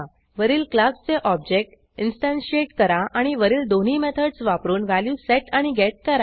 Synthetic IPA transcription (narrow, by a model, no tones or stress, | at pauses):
ʋəɾiːlklast͡seʔɔb̚d͡ʑek̚ʈ | insʈãnɕieʈkəɾãʔaɽ̃iʋəɾiːld̪on̤iːmet̪ʰəɽsʋapɾuːnʋæljuseʈaɽ̃iɡɛʈ̚kəɾa